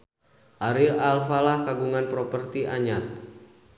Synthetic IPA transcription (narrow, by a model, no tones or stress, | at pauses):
ʔaɾilalfalahkaɡuŋanpɾopərt̪iʔa̰ɲat̪̚